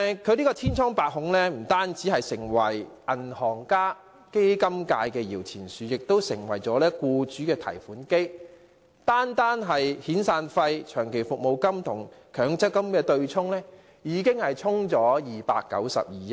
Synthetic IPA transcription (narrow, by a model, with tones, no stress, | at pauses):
kʰɵ˨˧niː˥kɔː˧t̪ʰiː˥nt͡sʰɔː˥ŋpaː˨˧k̚ɦʊ˨˥ŋlɛː˥m̩˨˩t̪aː˥nt͡siː˨˥ɦɐ˨jsɪ˨˩ŋwɐ˨˩jʔɐ˨˩nhɔː˨˩ŋkaː˥ | ke˥jkɐ˥mkaː˧jkɛː˧jiː˨˩wt͡sʰiː˨˩nsyː˨˧jɪ˨k̚t̪o˥wsɪ˨˩ŋwɐ̰˨˩jt͡sɔː˨˥lɛː˥kuː˧t͡syː˨˥kɛː˧t̪ʰɐ̰˨˩jfuː˨˥nke˥j | t̪aː˥nt̪aː˥nɦɐ˨jhiː˨˥nsaː˧nfɐ˧jt͡ʃʰœː˨˩ŋkʰe˨˩jfʊ˨k̚mo˨wkɐ˥mt̪ʰʊ˨˩ŋkʰœː˨˥ŋt͡sɐ˥kːɐ˥mkɛː˧t̪ɵ˧ɥt͡sʰʊ˥ŋlɛː˥ | jiː˨˧kɪ˥ŋhɐ˨jt͡sʰʊ˥ŋt͡sɔː˨˧˥jiː˨pa̰ː˧kːɐ̰˨˥wsɐ̰˨p̚jiː˨˧jɐ˦˥